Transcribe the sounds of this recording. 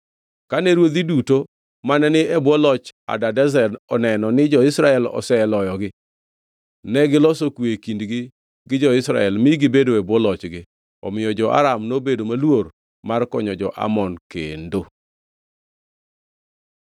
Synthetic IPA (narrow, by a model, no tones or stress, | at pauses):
kanɛɾwod̪iduto | manɛnɪʔɛbwɔlɔt͡ʃa̰dadɛzɛdɔnɛnɔnɪd͡ʒɔɪsɾaɛlɔ̰sɛɛlɔjɔɡɪ | nɛɡɪlɔsokwekindɡɪ | ɡɪd͡ʒɔɪsɾa̰ɛlmɪɡɪbedoɛbwɔlɔt͡ʃɡɪ | ɔmɪjɔd͡ʒɔʔa̰ɾamnobedomalwor | markɔɲɔd͡ʒɔʔa̰mɔnkendo